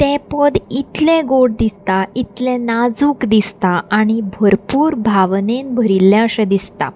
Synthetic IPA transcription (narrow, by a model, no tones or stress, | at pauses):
t̪ɛ̃pəd̪it̪lẽɡoɽ̚d̪ist̪ait̪lɛ̃nad͡zuːkd̪ist̪aaɽ̃ibʱəɾpuːɾbʱaʋnenbʱəɾilːjãəɕẽd̪ist̪a̰